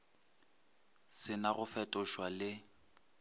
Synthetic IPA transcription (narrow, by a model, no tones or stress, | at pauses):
sɪnaɣʊfɛtʼɔʃwalɪ